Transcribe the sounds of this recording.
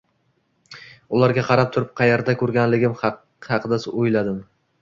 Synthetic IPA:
ʊlˠaɾɡʲaqʰɑɾap̚t̪ʰʊɾɪp̚qʰɑjeɾd̪akʰɵɾɡʲanlɪɡʲɪm | hɑqʰɨd̪asojlad̪ɪm

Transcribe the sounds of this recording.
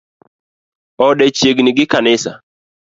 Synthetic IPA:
ɔɗɛt͡ʃeɡnɪɡɪkanɪsa̰

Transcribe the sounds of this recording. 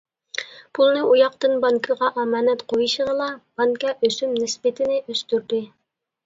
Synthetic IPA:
pʰulˠnɨujɑqt̪ɨnbɑŋkʰəʁɑʔɑmɑːnɛt̪qʰojɨʃəʁəlˠɑb̥ɑŋkɑʔøsymnɪsbɪt̪ʰɪnɪʔøst̪yɾd̪ɪ

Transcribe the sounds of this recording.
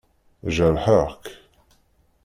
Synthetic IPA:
ʒəɾħəʁk

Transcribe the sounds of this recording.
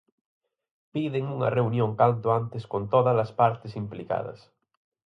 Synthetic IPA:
piðɪŋuŋɐ̰reunjoŋkant̪ʊant̪ɪskont̪oðɐlɐspaɾt̪ɪsimplika̰ðɐ̰s

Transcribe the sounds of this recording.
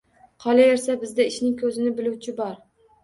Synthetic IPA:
qʰɒlˠae̞ɾsabɪzd̪aɪʃnɪŋkʲʰɵzɪnɪbɪluwt͡ʃʰɪbɒɾ

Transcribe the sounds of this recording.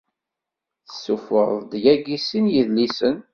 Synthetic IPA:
θə̥sːufə̰ɾðd̪jæɡisinjiðlisən

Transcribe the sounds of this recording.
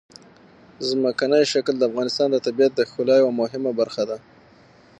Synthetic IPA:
zməkanəjʃakld̪əafɣɑnɪst̪ɑnd̪ət̪abijat̪̚d̪əxʊlɑjwamʊɦɪmabaɾxad̪a

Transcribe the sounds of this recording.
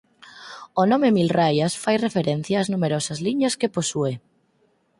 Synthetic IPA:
onõmemilrajasfajrefeɾen̟θjaːznumeɾosazliɲaskeposue

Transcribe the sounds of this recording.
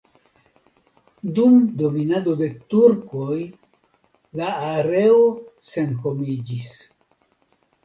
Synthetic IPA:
dumdo̞minado̞de̞tuɾkoj | laːɾe̞ose̞nhomid͡ʒis

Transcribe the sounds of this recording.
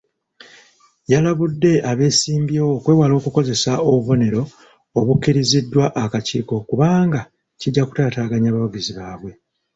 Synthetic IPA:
jalaβudːe̞aβe̞ːsiːmbjookwe̞ːwalo̞ːkuko̞ze̞saoβuβo̞ne̞ɾo̞ː | βukːiɾizidːwaʔakaciːko̞kuβaːŋɡa | ciɟːaku̥taːtaːɡaɲaːβawuɡiziβaːβwe̞

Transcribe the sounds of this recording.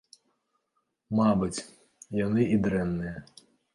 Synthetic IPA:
mabɨt͡sʲ | janɨid̪ɾɛnːɨjɐ

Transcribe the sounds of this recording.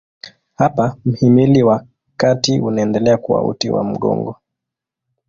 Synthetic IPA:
hapam̩himiliwa | katiʔunaɛndɛlɛakuwa̰ṵtiwa̰m̩ɠɔ̰ŋɡɔ

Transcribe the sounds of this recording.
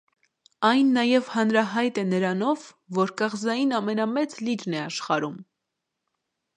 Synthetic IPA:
ɑjnːɑjɛvhɑnɾɑɦɑjt̪ɛnəɾɑnɔvː | ɔɾkɑʁzɑjinɑmɛnɑmɛt͡slid͡ʒnɛɑʃχɑɾum

